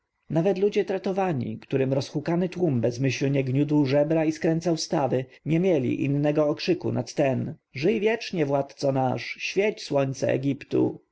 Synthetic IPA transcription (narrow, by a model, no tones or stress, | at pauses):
navɛt̪lud͡ʑɛt̪ɾat̪ɔvaɲḭkt̪uɾɘmɾɔsxukanɘt̪wumbɛzmɘɕlɲɛɡɲud̪wʐɛbɾaiskɾɛnt̪sawst̪avɘ | ɲɛmʲjɛlʲḭʔḭnːɛɡɔːkʂɘkṵnat̪ːɛnʐɘjvʲjɛt͡ʂɲɛvwat̪t̪sɔnaʂɕfʲjɛt͡ɕswɔɲt̪sɛɛ̰ɡʲipt̪ṵ